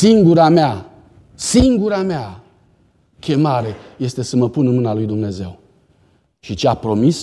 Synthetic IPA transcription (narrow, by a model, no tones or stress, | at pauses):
siŋɡuɾamea | siŋɡuɾamea | kʲe̞maɾe̞je̞st̪e̞səməpunɨnmɨnalujd̪umne̞ze̞̰w | ʃit͡ʃeapɾo̞mis